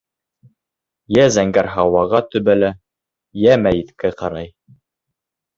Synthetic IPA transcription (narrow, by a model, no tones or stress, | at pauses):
jæzæŋɡæɾɦɑwɑʁɑt̪ɵ̆βælæ | jæmæjit̪kæqɑɾɑj